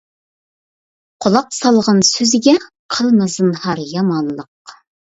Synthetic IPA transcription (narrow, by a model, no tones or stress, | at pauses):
qʰolˠɑqsɑlˠʁɑnsɵzɡʲɛ | qʰəlˠnəzənhɑɾjɑmɑnlˠɤq̚